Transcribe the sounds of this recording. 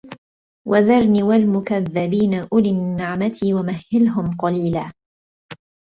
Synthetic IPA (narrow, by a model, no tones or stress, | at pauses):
wʔaðɑɾˤniːwalmʊkaðːabiːnaʔʊlinːɪʕmat̪ʰiːwamahːɪlɦʊmqɑliːlaː